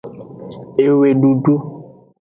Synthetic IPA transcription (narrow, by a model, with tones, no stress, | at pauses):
e˨we˨ɖu˨ɖu˦